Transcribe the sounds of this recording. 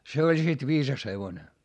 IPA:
se olʲ sit ʋiːsɑs heʋone

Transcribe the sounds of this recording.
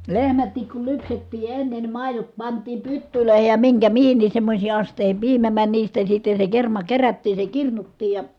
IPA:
lehmætːik kul lypsetːiː enːe ni mɑˑi̯jot pɑntˑiːm pytːyløˑehej jɑ miŋkæ mihinːis semːosʲiː ɑsteˑihim piːmæ mænʲ niːstæ sitːe se kermɑ kerætːiː se kirnutːiːj jɑ

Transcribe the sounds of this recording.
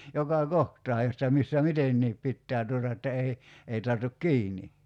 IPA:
jokɑˑ kohtɑː jotːɑ misːæ mitenːiːp pitːæː tuotɑ etːæ ei ei tɑrtuk kiːni

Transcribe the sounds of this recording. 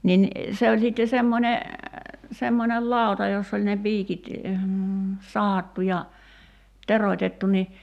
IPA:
nin se olʲ sitːe semːonʲe semːonel lɑˑu̞tɑ josː olʲ ne piːkit sɑhɑtːu jɑ teroĭtetːu ni

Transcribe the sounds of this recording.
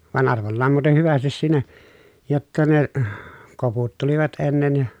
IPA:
ʋɑn ɑrʋolːɑːm muːten hyʋæstis siːnæ jotːɑ ne koputːeliʋɑt enːen jɑ

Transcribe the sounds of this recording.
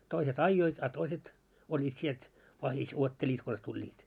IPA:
toiset ɑijːoit ɑ toiset olʲːiːt sielt ʋɑhis uotːelʲiːt kons tulʲːiːt

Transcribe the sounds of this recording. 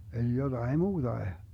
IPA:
eli jod̥ɑi muːd̥ɑe

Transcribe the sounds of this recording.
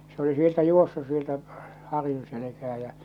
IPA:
se oli sieltæ juosːus sieltæ hɑrjun̞ selekæː jæ̠

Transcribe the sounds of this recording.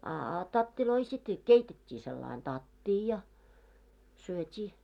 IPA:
ɑ ɑ tɑtːiloi sit keitetʲːiː selːɑin tɑtːiː jɑ syøtʲiː

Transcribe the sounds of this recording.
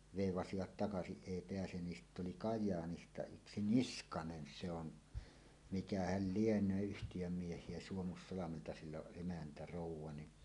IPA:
ʋeˑiʋɑsiʋɑt tɑkɑsiʔ ʔeˑi peæsen ni sitː oli kɑjˑɑːnistɑ yksi niskɑnen se on mikæhæl lienˑøː yhtijøm miehˑie suomusːɑlɑmeltɑ silː oʔ ʔemæntæ roˑuwˑɑ ni

